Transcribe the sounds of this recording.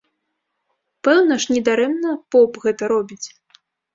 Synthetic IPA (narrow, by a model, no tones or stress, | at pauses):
pɛwnɐʂnʲɛd̪aɾɛmnɐpɔpɣɛt̪ɐɾɔbʲit͡sʲ